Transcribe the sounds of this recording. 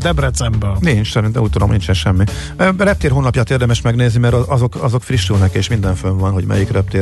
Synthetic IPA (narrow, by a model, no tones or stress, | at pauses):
d̪ɛbrɛt̪sɛmbɛnint͡ʃsɛɾint̪ɛmuːc̚t̪ud̪omnint͡ʃɛnʃɛmːi | rɛp̚t̪eːrɦoːnːɒpjaːt̪eːrd̪ɛmɛʃmɛɡneːznimɛɾɒʔɒzo̞kɒzo̞kfriʃːulnɛkeːʃmind̪ɛɱføɱvɒnɦo̞ɟmɛ̰jikrɛp̚t̪eː